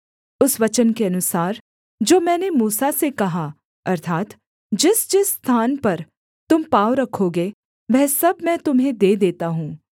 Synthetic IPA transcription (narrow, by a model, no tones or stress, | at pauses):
ʊsʋɐt͡ʃənkeɐnʊsaːɾ | d͡ʒoːmɛ̃ːnemuːsasekɐɦa | ɐɾt̪ʰaːt̪ | d͡ʒɪsd͡ʒɪsːt̪ʰaːnpɐɾ | t̪ʊmpaːʋɾɐkʰːoɡeː | ʋɛɦsɐbmɛ̃ːt̪ʊmɦẽd̪eːd̪eːt̪aɦũː